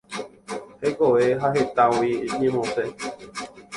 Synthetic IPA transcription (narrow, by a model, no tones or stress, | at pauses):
hekoeɦaɦet̪ãwiimĩmɔ̃se